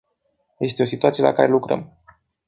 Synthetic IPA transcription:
je̞st̪e̞o̞sit̪uat̪iela̰kaɾe̞lukɾə̰m

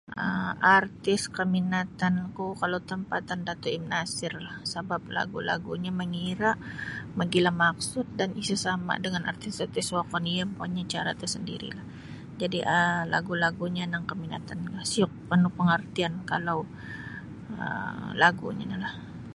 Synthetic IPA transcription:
ʔəart̪ɪskəminat̪ankukalawt̪əmpat̪andat̪uimnasɪrlahsəbap̚la̰ɡula̰ɡuɲaməŋiɾaʔmaɡilahmak̚sʊt̪̚danisasama̰dəŋana̰rt̪ɪsat̪ɪswakɔniapaɲat͡ʃaɾa̰t̪asəndḭɾḭlah | d͡ʒadiʔəla̰ɡulaɡuɲanaŋkəmina̰t̪anlahsiʊk̚pənupəŋərt̪iankalaw | ə̰laɡṵɲa̰nalah

